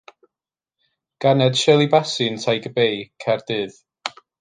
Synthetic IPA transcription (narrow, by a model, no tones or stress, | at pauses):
ɡ̥anɛd̥ʃɛlˠibasɨntʰajɡəbejkʰɛrd̥ɨːð̥